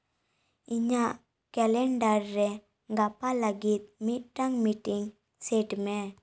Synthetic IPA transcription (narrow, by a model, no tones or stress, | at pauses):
iɲaʔ | kɛlɛɳɖaɾːɛ | ɡapalaɡit̪̚mit̪̚ʈaŋmiʈiŋ | sɛʈmɛ